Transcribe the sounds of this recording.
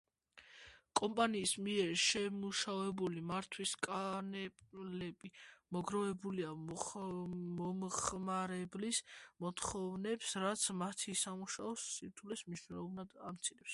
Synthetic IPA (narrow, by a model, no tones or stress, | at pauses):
kʼɔmpʼaniːsmiɛɾʃɛmuʃavɛbulimaɾt̪ʰwiskʼanɛlɛbimɔɡɾɔvɛbulia | mɔmχmaɾɛblismɔt̪ʰχɔvnɛpsɾat̪sʰmat̪ʰisamuʃaɔsːiɾt̪ʰulɛsmniʃwnɛlˠɔbnad̪amt̪sʰiɾɛps